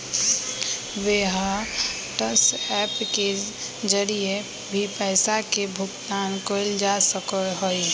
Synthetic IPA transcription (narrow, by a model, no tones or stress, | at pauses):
ʋeɦ | ʈəsɛpke | d͡ʒəɾie | bʱipɛɪsakebʱʊɡt̪ankoɪld͡ʒasəkəɦoi